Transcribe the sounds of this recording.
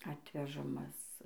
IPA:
ˈɑːtʲʋʲɛʒɐmɐs

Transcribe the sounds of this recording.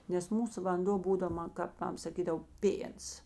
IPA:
nʲɛs ˈmuːsʊ ʋɐnˈdoː ˈbuːdɐw ˈmɐn kɐp ˈmɐm sɐˈkʲiːdɐw ˈpʲeːns

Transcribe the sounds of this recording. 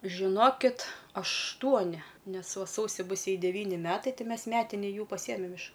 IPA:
ʒʲɪˈnoːkʲɪt ɐʃˈtuɔnʲɪ ˈnʲɛs ˈʋɐ ˈsɐʊsʲɪ ˈbʊs ˈjɛɪ dʲɛˈʋʲiːnʲɪ ˈmʲæːtɐɪ ˈtɐɪ ˈmʲɛs ˈmʲæːtʲɪnʲɪ ˈjuː pɐˈsʲiɛmʲɛm ɪʃ

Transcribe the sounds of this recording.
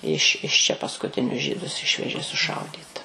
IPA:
ɪʃ ɪʃ t͡ʃʲɛ pɐskʊˈtʲɪnʲʊs ˈʒʲiːdʊs ˈɪʃʲʋʲɛʒʲeː sʊˈʃɐʊdʲiːt

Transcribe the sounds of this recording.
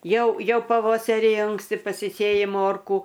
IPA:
ˈjɛʊ ˈjɛʊ pɐˈʋoːsɐrʲɪ ˈɐŋksʲtʲɪ pɐsʲɪˈsʲeːjɪ ˈmoːrkuː

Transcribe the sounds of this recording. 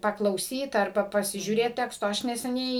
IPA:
pɐklˠɐʊˈsʲiːt ɐrˈbɐ pɐsʲɪʒʲuːˈrʲeːt ˈtʲæːkstoː ˈɐʃ nʲɛsʲɛˈnʲɛɪ

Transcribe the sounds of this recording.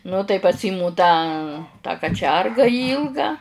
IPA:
nʊ tɐɪ pɐˈsʲiːmʊ ˈtɑː tɑː kɐˈt͡ʃʲɛrɡɐ ˈiːlˠɡɑː

